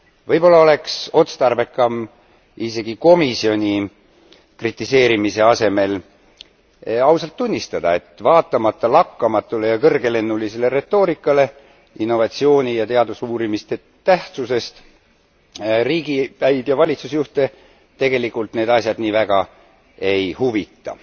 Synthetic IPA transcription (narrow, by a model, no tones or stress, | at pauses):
vɤjbo̞lːɑo̞le̞kso̞t̪st̪ɑrbe̞kːˑɑm | ise̞ɡ̥iko̞misio̞nʲi | krit̪ˑːise̞ːɾimise̞ɑse̞me̞l | ɑwsɑlt̪ːunʲːist̪ɑd̪̥ɑ̰e̞t̪vɑːt̪ˑːɑmɑt̪ˑːɑlɑkːɑmɑt̪ːˑule̞jɑkɤrɡe̞le̞nːulise̞le̞ɾe̞t̪ːo̞ːɾikːˑɑle̞ | inːo̞vɑt̪ʲsio̞ːnʲijɑt̪e̞ɑd̪usuːɾimist̪e̞ | t̪æht̪suse̞st̪ | riːɡipæjb̥jɑvɑlʲit̪susjuht̪e̞ | t̪e̞ɡe̞likult̪ne̞ːd̪ɑsʲjɑd̪niːvæɡ̥ɑ | e̞jhuvit̪ːˑɑ̰